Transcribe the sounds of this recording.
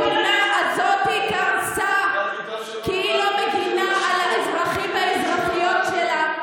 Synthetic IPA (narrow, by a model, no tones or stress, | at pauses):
naazot̪ikasa | kiilomeɡinaʔalaezʁaχimveaezʁaχijotʃela